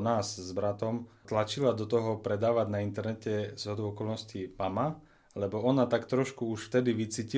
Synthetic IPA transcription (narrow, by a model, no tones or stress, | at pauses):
naːzzbɾat̪ɔmt̪lat͡ʃilad̪ɔt̪ɔɦɔpɾɛd̪aːʋaɟnaint̪ɛɾnɛcɛz̥ɦɔd̪ɔʊɔkɔlnɔscimama | lɛbɔɔnat̪akt̪ɾɔʃkuuʃft̪ɛd̪iʋit͡siːci